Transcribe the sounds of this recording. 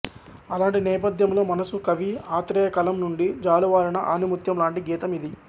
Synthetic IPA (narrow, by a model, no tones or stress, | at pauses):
ɐlaːɳʈinɛːp̬ɐd̪ʱjɐmlo̞ːmɐnɐsukɐʋiaːt̪ɾɛːjɐkɐlɐmnuɳɖid͡ʒaːluʋaːɾɐnɐʔa̰ːnumut̪jɐmlaːɳʈiɡiːt̪ɐmid̪i